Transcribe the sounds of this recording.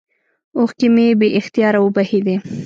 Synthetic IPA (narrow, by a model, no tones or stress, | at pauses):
oxkɪmebeʔɪxt̪jɑɾawʊbahid̪e